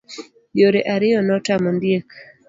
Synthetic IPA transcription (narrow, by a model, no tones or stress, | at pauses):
joɾeʔaɾɪjɔnɔtamondjek